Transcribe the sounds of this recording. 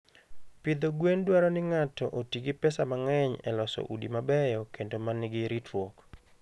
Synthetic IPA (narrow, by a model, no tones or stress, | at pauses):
pɪd̪oɡwendwaɾɔnɪŋatɔʔotiɡɪpɛsamaŋɛɲɛ̰lɔsɔ̰ʔudimabɛjɔkendomanɪɡɪɾitwok